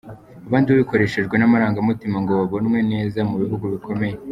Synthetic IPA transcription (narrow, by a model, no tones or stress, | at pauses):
aβaːndiaβiko̞ɾe̞ʃeʒɡwe̞namaɾaːŋɡamutimaŋɡoβaβonmwe̞ne̞ːzamuβiɦuɡuβiko̞me̞je